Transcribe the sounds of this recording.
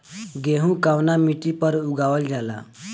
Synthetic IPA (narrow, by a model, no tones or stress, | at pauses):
ɡeɦũkawnamiʈipəɾuɡaʋəld͡ʒala̰